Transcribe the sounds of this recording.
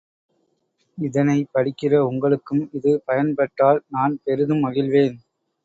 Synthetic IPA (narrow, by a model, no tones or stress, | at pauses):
ɪðɐnɐɪpɐɽɪkːɪrɐʊŋɡɐɭɯkːɯmɪðɯpɐjɐnpɐʈːaːlnaːnpɛɾɯðɯmɐɣɪlʋeːn